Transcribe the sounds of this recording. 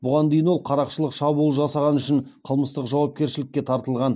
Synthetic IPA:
bʊʁɑnd̪e̞jɪnwo̞lˠqʰɑɾɑqʃəlˠəqʃɑbulˠəʒɑsɑʁɑnʏʃɪɴqʰəlˠməst̪əqʒɑwɑp̚kʲe̞ɾʃɪlɪkʲːe̞t̪ʰɑɾt̪əlˠʁɑn

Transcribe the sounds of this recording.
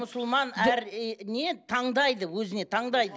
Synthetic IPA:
ʊsʊlˠmɑnæɾne̞t̪ʰɑɴd̪ɑjd̪əwɵzɪne̞t̪ʰɑɴd̪ɑjd̪ə

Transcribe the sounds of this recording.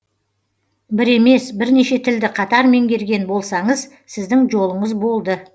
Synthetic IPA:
bɪɾe̞me̞sbɪɾne̞ʃe̞t̪ʰɪld̪ɪqʰɑt̪ɑɾme̞ŋɡʲe̞ɾɡʲe̞nbo̞lˠsɑɴəz | sɪzd̪ɪŋʒo̞lˠəɴəzbo̞lˠd̪ə

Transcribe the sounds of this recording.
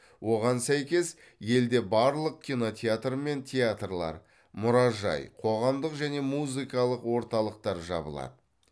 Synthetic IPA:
wʔo̞ʁɑnsæjkʲe̞s | je̞ld̪e̞bɑɾlˠəq̚kʲino̞t̪ʲʰeat̪rme̞nt̪ʰʲeat̪rlˠɑ̰ɾ | mʊɾɑʒɑ̰jqʰo̞ʁɑmd̪əqʒæne̞muzɨkɑlˠəqwo̞ɾt̪ɑlˠəq̚t̪ɑɾʒɑ̰bə̰lˠɑ̰d̪ə

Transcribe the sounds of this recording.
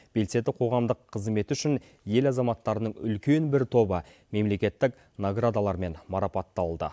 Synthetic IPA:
b̥e̞lse̞d̪ɪqʰo̞ʁɑmd̪əqʰːəzme̞t̪ɪʏʃɪn | je̞lɑzɑmɑt̪ːɑɾənəɴʏ̰lkʲe̞nbɪɾt̪ʰo̞bə | me̞mle̞kʲe̞t̪ːɪk | noɡrad̪alˠɑɾme̞nmɑɾɑpɑt̪ːɑlˠd̪ə̰

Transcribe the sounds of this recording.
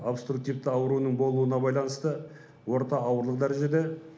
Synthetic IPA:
opst̪ruk̚t̪ivt̪ɪɑwəɾunəɴbo̞lˠuənɑbɑjlˠɑnəst̪ə | wo̞ɾt̪ɑɑwəɾlˠəq̚d̪æɾe̞ʒe̞d̪e̞

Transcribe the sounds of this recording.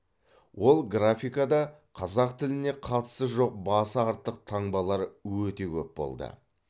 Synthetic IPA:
wo̞lˠɡrafʲijkad̪ɑqʰɑzɑqt̪ʰɪlɪne̞qʰɑt̪ə̥st̪əʒo̞q̚bɑsɑɾt̪ːəq̚t̪ʰɑɴbɑlˠɑɾwɵt̪e̞kʲʰɵ̰pbo̰lˠd̪ə̰

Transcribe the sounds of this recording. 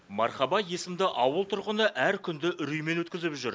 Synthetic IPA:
mɑɾχɑbɑje̞sɪmd̪ɪʔɑwəlˠt̪ʰʊɾʁənəʔæɾkʲʰʏnd̪ɪʔʏɾyjme̞nwɵt̪̚kʲɪzɪpʒʏɾ

